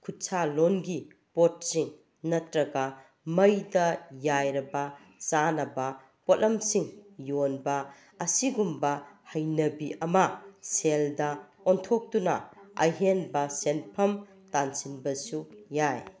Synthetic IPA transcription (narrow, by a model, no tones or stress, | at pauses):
kʰutsalonɡi | pot̚siŋ | nɐtɾɐɡɐ | mɐjdɐjajɾɐbɐ | t͡ʃanɐbɐ | potɐmsiŋjonbɐː | siɡumbɐhɐjnɐbiʔɐmɐseldɐ | ɔntʰok̚tunɐ̰ɐ̰jɦenbɐsenpʰɐm | tansinbɐsujaj